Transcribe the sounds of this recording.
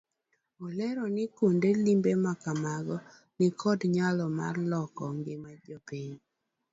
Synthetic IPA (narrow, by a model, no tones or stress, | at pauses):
ɔlɛɾɔnɪkundelimbemakamaɡɔ | nɪkʰɔdɲalɔma̰rlɔkɔŋɡɪmad͡ʒopiɲ